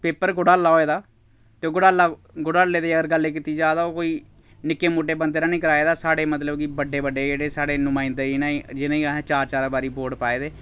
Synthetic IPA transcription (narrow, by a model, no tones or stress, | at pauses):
peːpəɾɡʊɽaːlːaːoːeːd̪aː | t̪eːoːɡʊɽaːlaː | ɡʊɽaːleːd̪eːəɡəɾɡəlːeːk̬iːt̪iːd͡ʒaːd̪aːoːkoːiː | nɪkːeːmoːʈ̬eːbənd̪eːɾaːnĩːkəɾaːeːd̪aːsaːɽeːmət̪ləbkibəɖeːbəɖeːd͡ʒeːɽeːsaːɽeːnʊmãːɪ̃nd̪eːinãːid͡ʒɪnãːiːɦt͡ʃaːɾt͡ʃaːɾbaːɾiːboːɖpaːeːd̪eː